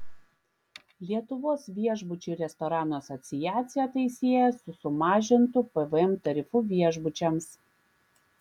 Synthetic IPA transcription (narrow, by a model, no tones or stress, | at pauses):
lʲiɛt̪ʊʋoːsʋʲiɛʒbʊt͡ʃʲuˑɾʲɛst̪ɔɾɑːnoːɐsɔt̪sʲɪjæːt̪sʲɪjɛt̪ɐɪsʲeːjɛsʊsʊmɑːʒʲɪnt̪ʊpɛʋəɛmt̪ɐɾʲɪfʊʋʲiɛʒbʊt͡ʃʲɛms